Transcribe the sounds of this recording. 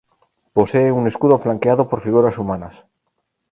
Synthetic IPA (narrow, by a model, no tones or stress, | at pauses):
po̞se̞ːune̞skuðoflaŋkeaðopo̞ɾfiɣ̞uɾasumãnas